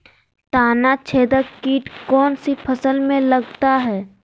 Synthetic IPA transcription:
t̪aːnat͡ʃʰeːd̪əkiːʈkɔːnsipʰəsəlmẽlɐɡt̪aɦɛː

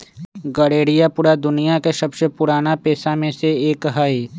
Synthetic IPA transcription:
ɡɐɽeːɽijapʊɽad̪ʊnijakeʃɐbʃəpʊɾaːnapɛːsamẽseeːkɦai

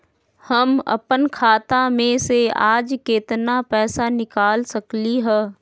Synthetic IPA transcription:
hɐmɐ̰pənkʰaːt̪amẽsea̰ːd͡ʒkeːt̪napɛːsanɪkaːlsɐkliɦɛː

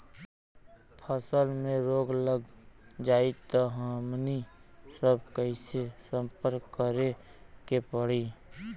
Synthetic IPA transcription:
pʰəsəlmẽɾoːɡləɡd͡ʒaːit̪ɔɦamnisəb̚kəɪsesə̃mpəɾkːəɾe | kepəɽ̤i

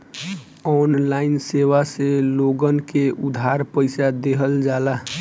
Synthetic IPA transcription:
ɔnlaɪnseʋaseloɡənkeʔud̪ʱɦaɾpəɪsad̪eɦəld͡ʒala

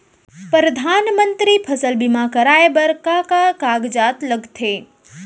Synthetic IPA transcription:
pɾəd̪ʱanmənt̪ɾipʰəsəlbimãkəɾaebəɾkakakaɡd͡ʒat̪ləɡt̪ʰe

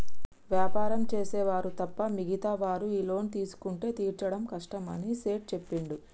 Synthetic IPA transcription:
ʋjaːpaːɾɐmt͡ʃe̞ːsɛːʋaːɾut̪ɐpːɐmiɡit̪ɐʋaːɾuiːlo̞ːnit̪iːsu̥kuɳʈe̞ːt̪iːɾt͡ʃɐɽɐmkɐʂʈɐmɐ̰niseːʈ̚t͡ʃe̞pːiɳɖi

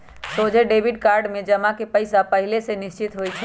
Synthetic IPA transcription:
sod͡ʒʱeɖebʱiɖkaɾɖmed͡ʒəmakepəjsapəɦilesenist͡ʃit̪ɦojt͡ʃʰɛ

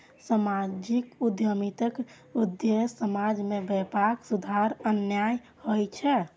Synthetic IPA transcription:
səmad͡ʒikud̪jəmit̪ək | ud̪jesəmad͡ʒmebɛpaksud̪ʱaɾənjaj | hojt͡ʃʰɛ

